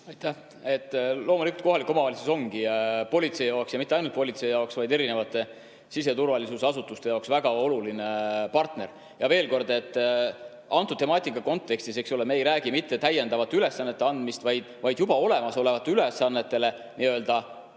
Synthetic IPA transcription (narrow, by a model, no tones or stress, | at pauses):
ɑjt̪ːæh | e̞t̪ːlo̞ːmulikˑult̪̚ko̞ɦɑlikːˑo̞mɑvɑlisuso̞ŋɡ̥ipo̞lʲit̪se̞ijɑoksjɑmit̪ːˑeɑjnult̪̚po̞lʲit̪se̞ijɑoksvɑjd̪e̞ɾine̞vɑt̪ːˑe̞ | sis̬e̞t̪urvɑlisusɑsut̪ːˑust̪e̞jɑoksvæɡ̥ɑo̞lulinepɑrt̪ne̞r | jɑve̞ːlko̞rd̪e̞t̪ːˑ | ɑnt̪ːˑut̪ːe̞mɑːt̪ʲːˑikːˑɑko̞nt̪ːe̞kst̪ise̞ksolemeeːjɾæːɡ̥imit̪ːe̞t̪æje̞nd̪ɑvɑt̪ːeyle̞sːɑnːet̪ːeɑnd̪mist̪vɑjd̪̥vɑjd̪jubɑo̞le̞mɑso̞le̞vɑt̪ːˑeyle̞sɑnːe̞t̪ːe̞le̞ | niø̞ːld̪̥ɑ